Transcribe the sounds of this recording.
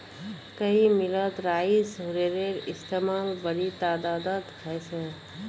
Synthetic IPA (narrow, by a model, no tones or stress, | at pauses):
kɐɦimɪlət̪ɾaːɪsɦʊɾeːɾeɾɪst̪eːmaːlbɐɾit̪aːd̪aːd̪ət̪kʰɛse